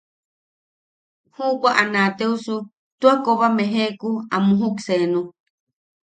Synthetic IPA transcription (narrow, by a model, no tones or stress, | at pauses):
hubaʔanãt̪eusu | t̪uakoβameɦekuamũɦuksenũ